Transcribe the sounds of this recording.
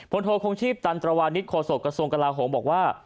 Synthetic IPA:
pʰo˧nt̪ʰoː˧kʰo˧ŋt͡ɕʰiː˥˩p̚t̪a˧nt̪ɾa˧waː˧nːi˦˥t̪̚kʰoː˧so˨˩kːɾa˧su˧əŋka˧laː˧ɦoː˩˦mbɔː˨˩k̚waː˥˩

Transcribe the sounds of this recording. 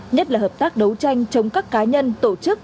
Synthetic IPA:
ɲə˦˥t̚laː˨˩ɦəː˨˩p̚t̪aː˦˥k̚ɗə˨˦wt͡ɕa˧jŋ̟t͡ɕə˨˧wŋ͡mkaː˦˥kːaː˨˦ɲə˧nt̪o˧˩t͡ɕɨ˦˥k̚

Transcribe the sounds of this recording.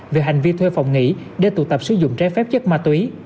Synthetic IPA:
ve˨˩ɦa˨˩jŋ̟vi˧t̪ʰwe˧fɔ̰˨wŋ͡mŋḭ˧˥ɗe˧˩t̪ṵ˧˩t̪ə˨˩p̚sɨ˨˦zʊ̰˧˨ŋ͡mt͡ɕaː˨˦jfɛ˦˥p̚t͡ɕə˦˥k̚maː˧t̪wi˨˦

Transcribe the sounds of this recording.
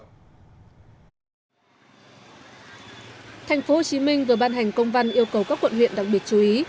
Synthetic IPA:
t̪ʰa˨˩jŋ̟fo˨˦ho˨˩t͡ɕi˨˦mï˧ŋ̟vɨ˨˩əɓaː˧nɦa˨˩jŋ̟kə˧wŋ͡mva˧nʔi˧əwkə˨˩wkaː˦˥kːwə̰˧˨nhwḭ˧˨ənɗa˨˩k̚ɓi˨˩ət̚t͡ɕu˨˧ʔi˨˦

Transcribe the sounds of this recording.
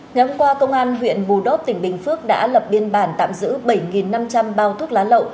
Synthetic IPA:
ŋa˨˩jhʊ˧ŋ͡mkwaː˧kə˧wŋ͡mʔaː˧nɦwḭ˧˨ənɓu˨˩ɗo˦˥p̚t̪ï˧˩ŋ̟ɓï˨˩ŋ̟fɨ˦˥ək̚ɗa̰ː˧˥lə˨˩p̚ɓi˧ənɓaː˧˩nt̪a̰ː˧˨mzɨ̰˧˥ɓə˧˩jŋi˨˩nːa˧mt͡ɕa˧mɓaː˧˩wt̪ʰu˦˥k̚laː˨˦lə̰˧˨wʔ

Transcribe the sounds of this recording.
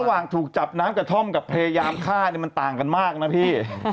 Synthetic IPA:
waː˨˩ŋt̪ʰuː˨˩k̚t͡ɕa˨˩p̚naː˦˥mkɾa˧t̪ʰo˥˩mka˨˩pʰa˧jaː˧jaː˧mkʰaː˥˩ni˦˩ma˧nt̪aː˨˩ŋka˧nmaː˥˩k̚na˦˥pʰiː˥˩

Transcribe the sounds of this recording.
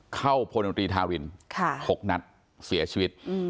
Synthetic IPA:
kʰa˥˩wpʰo˧n˧o˧t̪ɾiː˧t̪ʰaː˧wɾi˧nkʰa˥˩ho˨˩k̚na˦˥t̪̚ | si˩˦t͡ɕʰiː˧wi˦˥t̪̚

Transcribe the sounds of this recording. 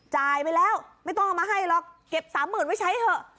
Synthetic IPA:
t͡ɕaː˧jpa˧jlɛː˦˥˩wma˥˩jt̪ɔ˥˩ŋʔmaː˧ɦa˥˩jlɔ˧˩k̚ːke˨˩p̚saː˨˩˦mːɯː˨˩nma˥˩t͡ɕʰa˦˥t̪ʰɤ˧˩

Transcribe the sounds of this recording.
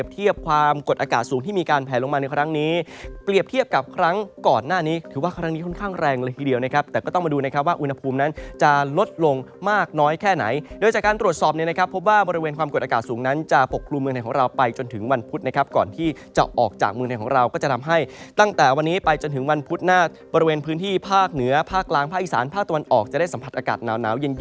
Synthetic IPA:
əp̚t̪ʰi˥˩əp̚kʰwaː˧mko˨˩t̪ʔaː˧kaː˨˩t̪̚suː˩˦ŋt̪ʰiː˥˩miː˧kaː˧npʰɛː˨˩˦lo˧ŋmaː˧na˧jkʰɾa˦˥ŋniː˦˥pli˨˩əp̚t̪ʰi˥˩əp̚ka˨˩p̚kʰɾa˦˥ŋkɔː˨˩nːaː˥˩niː˦˥t̪ʰɯː˩˦waː˥˩kʰɾa˦˥ŋniː˦˥kʰɔ˥˩nkʰaː˥˩ŋɾɛː˧ŋlɤː˧jt̪ʰiː˥˩di˧əwna˦˥kʰa˦˥p̚t̪ɛː˨˩kɔː˥˩t̪ɔ˥˩ma˧duː˧na˦˥kʰa˦˥p̚waː˥˩ʔu˧nha˧pʰuː˧mna˦˥nt͡ɕa˨˩lo˦˥t̪̚lo˧ŋmaː˥˩k̚nɔː˦˥jkʰɛː˥˩na̰˩˦jdo˧jt͡ɕaː˨˩kaː˧nt̪ɾu˨˩ət̪sɔː˨˩p̚ni˥˩na˦˥kʰa˦˥pʰːo˦˥p̚waː˥˩bɔː˧ɾi˧weː˧nkʰwaː˧mko˨˩t̪̚a˧kaː˨˩t̪̚suː˩˦ŋna˦˥nt͡ɕa˨˩po˨˩kʰːlu˧mːɯ˧ŋt̪ʰjkɔː˩˦ɾa˧wpa˧jt͡ɕo˧nt̪ʰɯ˩˦ŋwa˧npʰu˦˥t̪̚na˦˥kʰa˦˥p̚kɔː˨˩nt̪ʰiː˥˩t͡ɕa̰˨˩ʔɔː˨˩k̚t͡ɕa̰ː˨˩k̚mɯ˧ŋt̪ʰjkʰɔː˩˦ŋɾa˧wkɔː˥˩t͡ɕa˨˩t̪ʰa˧mɦa˥˩jt̪a˥˩ŋt̪ɛː˨˩wa˧nːiː˦˥pa˧jt͡ɕo˧nt̪ʰɯ˩˦ŋwa˧npʰu˦˥t̪̚naː˥˩ | bɔː˧ɾi˧weː˧npʰɯː˦˥nt̪ʰiː˥˩pʰaː˥˩k̚nɯ˩˦ɐpʰaː˥˩k̚ːlaː˧ŋpʰaː˥˩kʔi˨˩saː˩˦npʰaː˥˩k̚t̪a˧wa˧nʔɔː˨˩k̚t͡ɕa˨˩da˥˩jsa˦pʰa˨t̪̚ʔaː˧kaː˨˩t̪̚naː˩˦wna̰ː˩˦wje˧n

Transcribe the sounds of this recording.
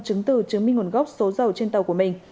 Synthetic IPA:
t͡ɕɨ˨˦ŋt̪ɨ˧˩t͡ɕɨ˨˦ŋmï˧ŋŋo˨˧˩nɣa˦˥wk͡p̚so˨˦zə˨˩wt͡ɕe˧nt̪ə˨˩wku˧˩əmï˨˩ŋ̟

